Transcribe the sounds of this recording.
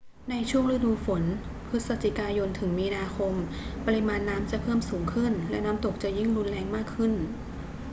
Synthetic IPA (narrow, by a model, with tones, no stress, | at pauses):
na˧jt͡ɕʰu˥˩əŋɾa˧duː˧fo˩˦n | pʰɯ˦˥t̪̚sa˧˩t̪ʰi˨˩kaː˧jo˧nt̪ʰɯ˩˦ŋmiː˧naː˧kʰo˧m | pa˧ɾi˧maː˧nːaː˦˥mt͡ɕa˨˩pʰɤː˥˩msuː˩˦ŋkʰɯ˥˩nlɛ˦˥naː˦˥mt̪o˨˩k̚t͡ɕa˨˩ji˥˩ŋɾu˧nlɛː˧ŋmaː˥˩kʰːɯ˥˩n